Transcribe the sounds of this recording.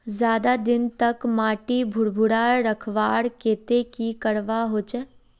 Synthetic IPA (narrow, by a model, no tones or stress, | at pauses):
zjaːd̪ad̪ɪnt̪ɐkmaːʈibʱʊɽbʱʊɽaːɾəkʰʋaːɽkeːt̪ekikəɽʋaɦoːt͡ʃɛ